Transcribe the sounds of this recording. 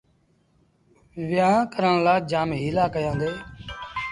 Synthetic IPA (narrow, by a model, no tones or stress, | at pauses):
ʋɪjãːkəɾəɳ̃laːd͡ʒaːmɦiːlaːkəjãːnd̪eː